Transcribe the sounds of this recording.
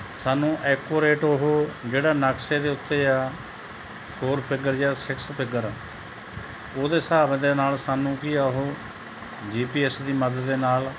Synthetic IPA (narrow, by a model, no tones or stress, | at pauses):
saːnũːʔɛːkoːɾeːʈoɦoːd͡ʒeːɽaːnəkseːd̪eːʊt̪ːeːjaː | pʰoːɾpʰɪɡəɾjaːsɪkspʰɪɡəɾ | oːd̪eːsaːbẽd̪eːnaːlsaːnũːkiːaːʊɦoː | d͡ʒiːpiːɛsd̪iːməd̪əːeːnaːl